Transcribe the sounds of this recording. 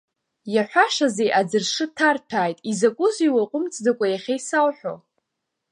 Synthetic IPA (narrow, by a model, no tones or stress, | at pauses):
jaħʷᶣaʂazejʔad͡zɨrʂɨtʰartʰaːjtʼizakʷʼʊziwaqʷʼʊmt͡sʰʼdakʷʼajaχʲejsawħʷᶣo̰